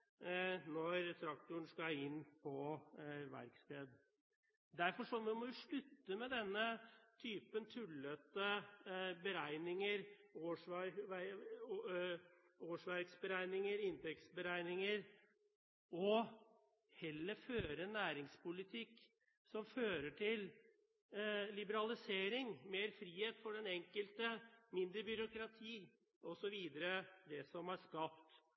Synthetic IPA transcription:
nɔɾt̪ʰɾɑkt̪ʊəɳ̩skɑɪnːpʰɔʋæ̰ɾkst̪eːd̪ | d̪æɾfɔʂɔʋɪmɔʋɪʂɭʉt̪ːəmɛd̪ɛnːət̪ʰyːpənt̪ʰʉlːət̪ə | bəɾæɪnɪŋəɾoːʂʋɑʋæ | oːʂʋæɾksbəɾæɪnɪŋəɾɪnt̪ɛksbəɾæɪnɪŋəɾ | ɔ | hɛlːəføːɾɛnːæːɾɪŋspʊlɪt̪ʰɪkː | sɔmføːɾəʈʰɪl | lɪbəɾɑlɪseːɾɪŋmeːɾfɾiːheːt̪fɔɖɛnɛŋkəlt̪əmɪnd̪ɾəbʏɾʊkɾɑt̪ʰiː | ɔsɔʋiːd̪əɾəd̪ɛsɔmæʂkɑpt̪

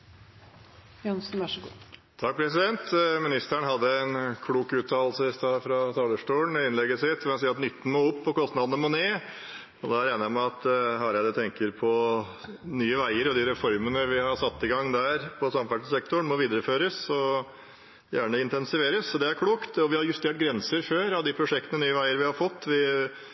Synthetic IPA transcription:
jɑnsnʋæʂəɡut̪ʰɑk̚ːpʰɾɛs̬ɪd̪ɛnt̪mɪnɪst̪æɳɦɑd̪ːəænkʰɽuːkʉːt̪ʰɑːlsəst̪ɑfɾɑt̪ʰɑːləʂʈuːəɳɪnlɛɡːəsɪt̪ːɔɑnsiːɾɑt̪nʏt̪ːən̩moːʊpːɔkɔst̪nɑd̪ənəmɔneː | ɔd̪ɑæɾæːnəmɛɑt̪ɦɑɾjæd̪ɛt̪ʰɛŋkəɾpʰɔ | nyːəʋæɪəɾɔd̪ɪɾɛfɔɾmənəʋɪhɑɾsɑt̪ːɪɡɑŋːd̪æɾpʰɔsɑmfæʈsɛkt̪ʊɳmɔʋiːd̪əɾəføːɾəsɔ | jæːɳəɪnt̪ɛnsɪʋeːɾəsɔd̪ɛæɾkʰɽuːkt̪ɔʋɪhɑɾjʉst̪eːʈ̚ɡɾɛnsəɾføːɾɑʋd̪ɪpʰɾʊʂɛk̚t̪ənənyːəʋæɪəɾʋɪhɑɾfɔt̪ːʋɪ

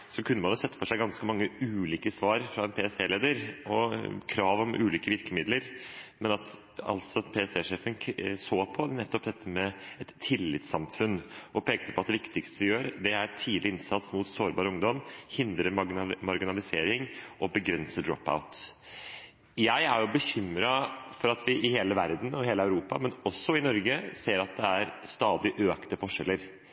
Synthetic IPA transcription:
sɔkʰʉnːəmɑnjʊːsɛt̪ːəfɔʂæɪɡɑnskəmɑŋːəʉːliːkəsʋɑːɾfɾɑɛnpʰeːɛseːleːd̪əɾɔkʰɾɑːʋɔmʔʉːliːkəʋɪɾkəmɪd̪ləɾmɛnɑt̪ | ɑ̰lt̪sɔpʰeɛsd̪eːʂeːfənkʰsoːpʰɔnɛt̪ːɔpd̪ɛt̪ʰːəmɛɛt̪ʰːɪlːɪt̪sɑmfʉnːɔpʰeːkt̪ə̥pʰɔɑt̪d̪ɛʋɪkt̪ɪkst̪əd̪ɪjøːɾd̪ɛæɾt̪ʰiːd̪lɪɪnsɑt̪smʊt̪soːɾbɑːɾəʊŋd̪ɔmhɪnd̪ɾəmɑɾɡɪnɑlɪseːɾɪŋʔɔbəɡɾɛnsəd̪ɾɔ̰pːa̰ʊt̪ | jæɪæɾjʊbəɕʏmɾɑfɔɾɑt̪ʋɪʔɪheːləʋæɾd̪n̩ɔheːləæʉɾuːpɑ̰mɛnɔsːɔɪnɔɾɡəseːɾɑt̪̚d̪ɛæɾst̪ɑːd̪ɪʔøːkt̪əfɔʂɛlːəɾ

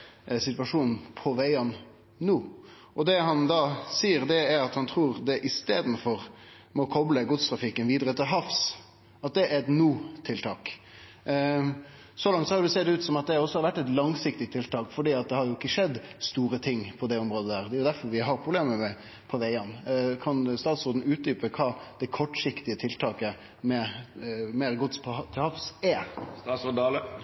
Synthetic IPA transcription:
sɪt̪ʋɑʂuːnn̩pʰɔʋæɪɑn | nuː | ʔɔd̪ɛɦɑnd̪ɑːsiːəɾd̪ɛæɾɑt̪hɑnt̪ʰɾuːɾd̪ɛʔɪst̪eːd̪n̩fɔɾmɔkʰɔbləɡʊt̪st̪ʰɾɑfɪkːənʋiːd̪ɾət̪ʰɪlɦɑfs | ʔɑt̪̚d̪ɛæɾɛt̪nuːt̪ʰɪlt̪ʰɑːk | sɔlɑŋt̪sɔhɑɾd̪ʉseːd̪ɛʉːt̪sɔmɑt̪̚d̪ɛɔsːɔhɑɾʋæʈːɛt̪lɑŋsɪkt̪ɪt̪ʰːɪlt̪ʰɑːkfɔɖiːɑt̪̚d̪ɛhɑɾjʊɪkːəʂɛd̪ːst̪uːɾət̪ʰɪŋpʰɔd̪ɛɔmɾoːd̪əd̪æːʁd̪ɛjʊd̪æɾfɔɾʋɪɦɑɾpʰʁʊbleːməmɛ | pʰɔʋæɪɑnkʰɑnst̪ɑːt̪sɾoːd̪n̩ʉːt̪̚d̪yːpəkʰɑːd̪̥ɛkʰɔʈːʂɪkt̪ɪət̪ʰɪlt̪ʰɑːkə | mɛ | meːɾɡʊt̪spʰɔt̪ʰɪlhɑfsæɑːsɔdl

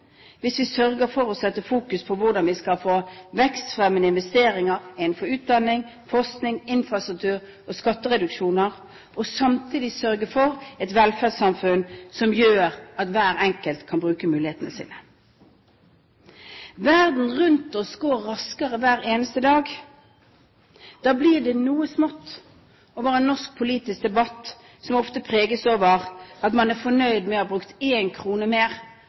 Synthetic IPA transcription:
ʋɪsʋɪsœɾɡəfɔɾɔsɛt̪ːəfuːkʉspʰɔʋʊd̪ɑnʋɪskɑlfoːʋɛkst̪fʁɛmənəɪnʋɛst̪eːɾɪŋəʁɪn̩fɔɾʉːt̪̚d̪ɑnːɪŋ | fɔʁsknɪŋɪnfɾɑst̪ʁʉk̚t̪ʰʉːɾ | ɔskɑt̪ːəʁɛd̪ʉkʃuːnəʁ | ʔɔsɑmt̪ʰiːd̪ɪsœɾɡəfɔʁɛt̪ʋɛlfædsɑmfʉnsɔmjøːɾɑt̪ʋæːʁɛŋkəlt̪kʰɑnbʁʉːkəmʉːlɪheːt̪ənəsḭːnə | ʋæʁd̪n̩ʁʉnt̪ɔsɡoːɾːɑskəʁəʋæːɾeːnəst̪əd̪ɑːɡ | d̪̥ɑːbliɖ̪ɛnuːəsmɔt̪ː | oʋɑːʁəɛnːɔsk̚pʰʊliːt̪ɪsk̚d̪ɛbɑt̪ː | sɔmɔft̪əpʰʁeːɡəsoːʋəʁɑt̪mɑnæʁfɔnœʏd̪mɛhɑːbʁʉkt̪eːnkʰʁuːnəmeːʁ

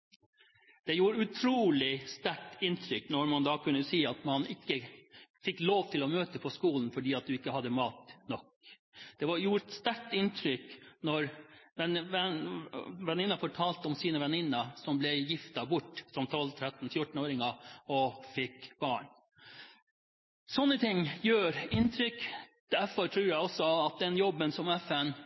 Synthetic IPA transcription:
d̪̥ɛjuːɾʉt̪ʰɾuːlɪst̪æʈɪnt̪ʰɾʏknɔɾmɑnd̪ɑːkʰʉnːəsiːɑt̪mɑnɪkːəfɪkːloːʋt̪ʰɪlɔmøːt̪əpʰɔskuːln̩fɔɖiːɑt̪̚d̪ʉɪkːəhɑd̪ːəmɑːt̪nɔk | d̪̥ɛʋɑɾjuːɾt̪st̪æʈɪnt̪ʰɾʏknɔɾʋɛɛ | ʋɛnɪnːɑfɔʈʰɑːlt̪əɔmsiːnəʋɛnɪnːəsɔmblɛjɪft̪ɑbʊʈːsɔmt̪ʰɔlt̪ʰɾɛt̪ːn̩fjʊʈɳn̩oːɾɪŋəɔfɪkːb̥ɑːɳ | sɔnːət̪ʰɪŋːjøːɾɪnt̪ʰɾʏkːd̪̥æɾfɔɾʈ̪ʰɾʉːɾjæɪɔsɔɑt̪̚d̪ɛnjɔbːənsɔmɛfɛn

